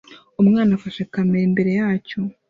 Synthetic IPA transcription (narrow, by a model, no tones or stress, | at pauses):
umŋaːnafaʃekameɾimbe̞ɾe̞jaːco